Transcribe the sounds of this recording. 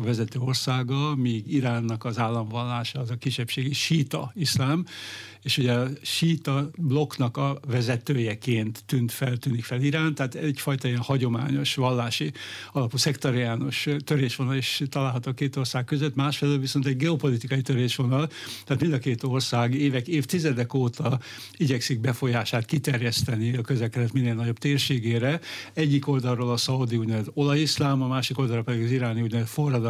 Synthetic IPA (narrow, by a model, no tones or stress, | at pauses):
vɛzɛt̪øːo̞rsaːɡɒmiːɡiɾaːnːɒkɒzaːlːɒɱvɒlːaːʃɒːzɒkiʃːɛpʃeːɡiʃiːt̪ɒ̰islaːm | eːʃhuɟɛɒʃiːt̪ɒblo̞knɒkɒvɛzɛt̪øːjɛkeːnt̪ːynt̪fɛlt̪yːnikfɛliɾaːnt̪aat̪ɛɟfɒjt̪ɒiɛnhɒɟo̞ma̰ːɲo̞ʃʋɒlːaːʃiɒlɒpusɛkt̪ɒɾiaːnoʃt̪øɾeːʃʋonɒliʃt̪ɒlaːlɦɒt̪oːkeːt̪o̞rsaːkkːøzøt̪maːʃfɛløːlviso̞nt̪ɛɟɡɛopo̞lit̪ikɒjit̪øɾeːʃʋo̞nɒlt̪aːt̪mind̪ɒkeːt̪o̞rsaːɡeːvɛkeːft̪izɛd̪ɛkoːt̪ɒ | iɟɛksiɡ̚bɛfo̞jaːʃaːt̪kit̪ɛrjɛst̪ɛniɒkøzlɛkɛd̪ɛt̪mineːlnɒɟo̞bt̪eːrʃeːɡeːɾɛɛɟːiko̞ld̪ɒrːolɒsɒud̪iuːɟnɛvɛt̪olɒjislaːmɒmaːʃiko̞ld̪ɒɾopɛd̪iɡɒziɾaːniuːɟnɛvɛt̪forːɒd̪